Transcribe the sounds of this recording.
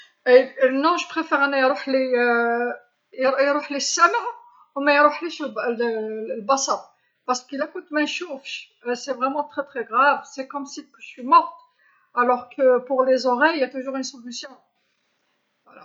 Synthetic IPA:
nɔ̃ʒəpχefɛʁɑnːɑjɾuħle | jɾuħlesːæmʕ | umæjɾuħliʃlllbasab | paʁsə̥kilakut̪mɛ̃ʃufʃ | sɛvʁɛmɑ̃t̪χɛt̪χɛɡʁavsɛkɔmsikʒə̥swimɔʁt̪ | alɔʁkəpuʁlezɔʁɛjjat̪uʒuʁynsolysjɔ̃ | vwala

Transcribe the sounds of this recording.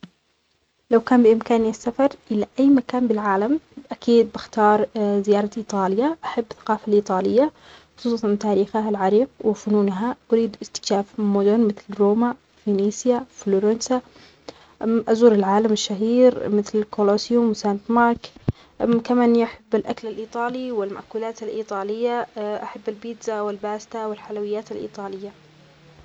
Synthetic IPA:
lawkaːnbɪʔɪmkaːnasːafɑɾˤʔɪlaʔajːmakaːnbɪlʕaːlamʔakiːd̪̚bɪxt̪ɑːɾˤzɪjɑːɾˤɑʔiːt̪ˤɑːlɪjaʔaħabːθḁqɑːfalʔiːt̪ˤɑːlɪjːa | xʊ̥sˤuːsˤɑnt̪aːɾiːxaɦalʕɑɾiːqwɪfʊnuːnɦaʔʊɾiːd̪ʔɪst̪ɪ̥kʃaːfmʊd̪ʊnmɪθlɾoːma | finiːsjafloːɾansa | ʔazuːɾɪlʕaːlamɪʃːaɦiːɾmɪθlɪlkolosjʊmwɪsant̪mɑɾˤk | kamaːnːiʔaħabːalʔaklalʔiːt̪ˤɑːliwɪlma̰ʔkuːlaːt̪alʔiːt̪ˤɑːlɪjːaʔaħabːalbiːd̪zawɪlbaːst̪awɪlħalawɪjːaːt̪alʔḭːt̪ˤɑːlɪjːa

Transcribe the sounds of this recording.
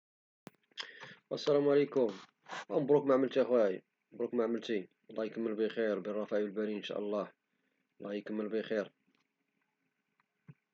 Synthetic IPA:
wʔæ̰sːælæmʕlekʊm | ænbɾukmaʕməlt̪iʔæxwæi | bɾˤukmaʕməlt̪i | lˤːɑjkəmːəlbixiɾbirˤːɑfæʔiwəlbæɾiənʃæ̰ʔəlˤːɑ | lːɑjkəmːəlbixiɾ

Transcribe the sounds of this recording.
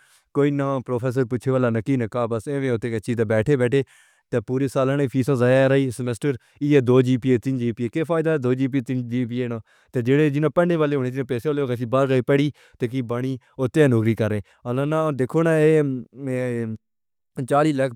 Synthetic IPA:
koːiːnãːpɾoːpʰɛːs̬əɾpʊtːt͡ʃʰeːʋaːlaːnəkiːnəkaːbəseːʋẽːʊt̪ːeːket͡ʃiːt̪aːbɛːʈʰeːbɛːʈʰeː | t̪eːpuːɾeːsaːlãːnẽːpʰiːsãːzaːjaːɾaːiːsəmesʈəɾ | iːɛːd̪oːd͡ʒiːpiːeːt̪ɪnd͡ʒiːpiːeːkeːpʰaːɪd̪aːd̪oːd͡ʒiːp̬it̪ɪnd͡ʒiːp̬iːeːnãː | t̪eːd͡ʒeːɽeːd͡ʒɪnãːpəɳɖeːʋaːleːɦoːneːd͡ʒɪnãːpɛːseːaːleːoːkat͡ʃ̬iːbəɾɡaiːpɛɽiː | t̪eːk̬iːbaɳ̃iː | ʊt̪ːeːnʊkɾiːkəɾːeː | əlãːnãːd̪ekʰoːnãːeː | t͡ʃaːliːləkʰ

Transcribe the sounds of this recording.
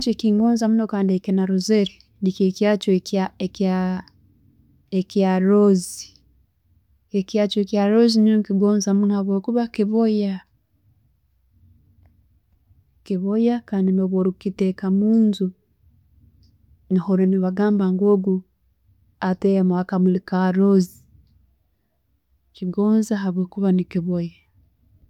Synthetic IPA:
t͡ʃekiŋɡoːnzamunokaːndiekinaɾuzeɾi | nikekjaːt͡ʃokaeka | ekjaɾozi | ekjaːt͡ʃoekjaɾozininokiɡoːnzamunohaβoːkuβakiβoja | kiβojakaːndinoβoɾukitekamuːnzu | nihoɾeniβaɡaːmbaŋɡoːɡu | atejamwakamulikaɾozi | kiɡoːnzaɦaβwoːkuβanikiβoja

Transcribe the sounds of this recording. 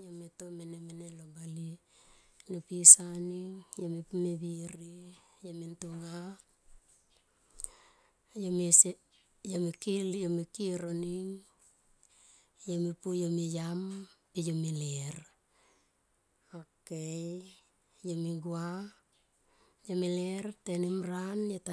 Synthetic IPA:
jometomenemenelobali | nopisaniŋjomipumebiɾi | jomintuŋa | jomi | jomikiljomikiɾoniŋ | jomipujomijampejomileɾ | akej | jomiɡua | jomilertenimɾanjeta

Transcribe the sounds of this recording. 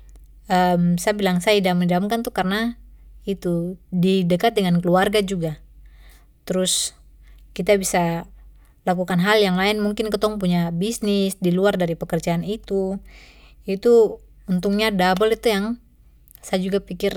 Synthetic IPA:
əmsajabilaŋsajaidaməndamkant̪ukarənait̪udidəkat̪̚dəŋankəluarɡad͡ʒuɡa | t̪əɾʊs | kit̪abisa | lakukanɦaljaŋlaɪnmuŋkɪnkət̪ɔŋpuɲabisnɪsdiluardaɾipəkərd͡ʒaːnit̪u | it̪u | unt̪uŋɲadabəlit̪ujaŋ | sajad͡ʒuɡapikɪr

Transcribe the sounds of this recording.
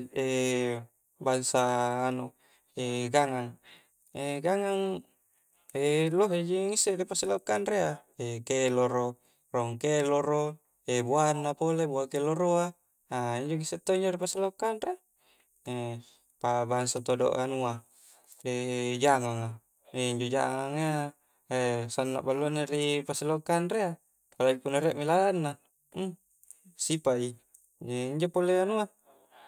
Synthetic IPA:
e | baŋsaːnuʔ | eɡaŋaŋ | eɡaŋaŋ | eloɦed͡ʒiŋiseʔripaselaukːanɾea | ekeloɾo | roŋkeloɾo | ebuanːapolebuakeloɾoa | aiɲd͡ʒoŋiset̪ːoiɲd͡ʒoɾipaselaukːanɾe | e | pabaŋsat̪odo̰ʔanua | ed͡ʒaŋaŋa | eiɲd͡ʒod͡ʒa̰ŋaŋea | esanːa̰ʔbalːuaneripasilokanrea | palabipunːaɾeaʔmilalanːa | sipai | eiɲd͡ʒopoleanua

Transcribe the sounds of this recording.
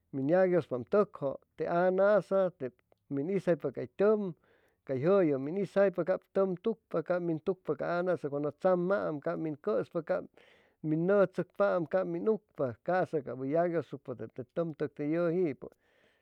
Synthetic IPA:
minjaɡjospamt̪əkhoʔt̪eʔanaʔsat̪e | minisajpakajt̪ʲəm | kajɦəjɨminisajpakap̚t̪əmt̪uk̚pakamint̪uk̚pakaanasakʷand̪ot͡samːaʔmkapminkəspaka | minːət͡sɨk̚paʔmkapminuk̚pakasakaʔbɨjaɡjost̪uk̚pat̪ep̚t̪et̪əmt̪ɨk̚t̪ejəhiʔpɨ̰

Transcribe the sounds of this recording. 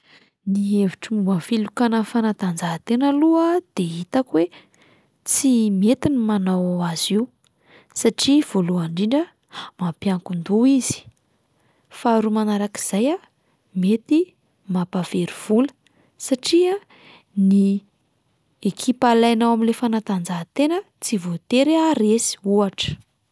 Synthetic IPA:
nieviʈ͡ʂimuafilukanəfanad̪and͡zaɦt̪enəluəd̪̥eɦit̪akwe | t͡simet̪inimanawaaz̥iw | saʈ͡ʂiv̥oluaɳɖ͡ʐiɳɖ͡ʐə | mapjaŋkund̪uiz̥i̥ | faɾumanaɾaki̥z̥aja | met̪i | mapav̥eɾiv̥ulə̥ | saʈ͡ʂia | ni | ekʰipalajnawamilefanat̪and͡zat̪enə | t͡sivot̪eɾaɾesi̥uaʈ͡ʂə̥

